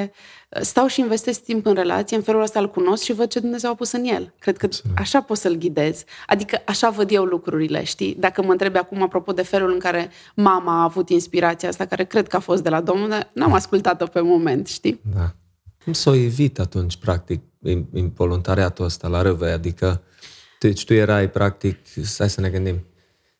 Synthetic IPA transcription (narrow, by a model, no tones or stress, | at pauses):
ə̰st̪awʃiːnve̞st̪est̪impɨnre̞la̰t̪sijeɨnfe̞luləst̪aɨlkuno̞skʃivəd̪̚t͡ʃe̞d̪umne̞zewapusɨnje̞lkɾed̪̚kəaʃapo̞t̪səlɡʲid̪e̞z̥a̰d̪ikəʔaʃavəd̪je̞wlukɾuɾilḛʃt̪id̪akəməɨnt̪ɾe̞bakumapɾo̞po̞d̪e̞fe̞lulɨŋkaɾe̞ | mamaːvut̪inspiɾat̪sijaast̪akaɾe̞kɾe̞d̪̚kəafo̞st̪d̪e̞lad̪o̞mnuld̪arnamaskult̪at̪ope̞mo̞me̞nt̪ʃt̪id̪a | kumsawjevit̪at̪unt͡ʃʲpɾak̚t̪ik̚iinvo̞lunt̪aɾiat̪uəst̪alaɾɨvejad̪ikə | t̪ut͡ʃt̪ujeɾajpɾʔak̚t̪iksajsəne̞ɡɨnd̪im